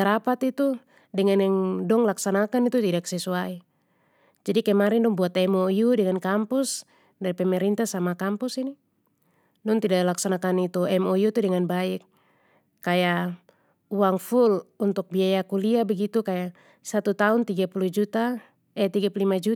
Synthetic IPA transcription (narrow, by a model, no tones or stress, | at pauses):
aɾapat̪it̪u | dɛŋanjaŋdɔŋlaksanakanit̪ut̪idaksɛsuai | d͡ʒadikaɛmaɾɛndɔŋbuat̪ɛmɔjudɛŋankampus | daɾipɛmɛɾint̪asamakampusini | dɔŋt̪idalaksanakanit̪uɛmɔjut̪udɛŋanbaikː | aja | uaŋfulunt̪uk̚biajakuliabɛɡit̪ukaja | sat̪ut̪aunt̪iɡapulud͡ʒut̪a | ɛt̪iɡapulimad͡ʒu